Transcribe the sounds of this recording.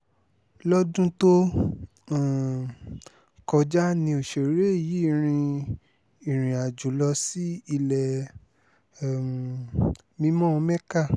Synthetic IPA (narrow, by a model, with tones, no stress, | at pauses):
lɔ˦dũ˦to˦˨ | kɔ˧d͡ʒa˦nĩ˧o˨ʃe˨˦ɾe˦˨ji˨˦i˦˨ɾ̃ĩ˧ | i˦˨ɾ̃ĩ˨a˨d͡ʒu˨˦lɔ˧si˦i˧lɛ˨ | mĩ˧˦mɔ̃˦˧mɛ̃˦ka˦˨